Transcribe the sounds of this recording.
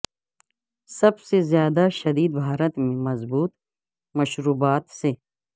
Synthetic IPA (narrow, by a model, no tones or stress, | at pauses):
sɐbsezjaːd̪aʃɐd̪iːd̪̚bʱaːɾət̪mẽmɐzbuːt̪ | mɐʃɾuːbaːt̪se